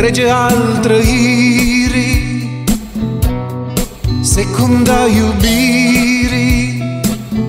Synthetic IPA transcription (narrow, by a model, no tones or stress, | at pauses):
ɾed͡ʒəaːlt̪ɾəɦi | ɾi | sekʰund̪aːjubi | ɾi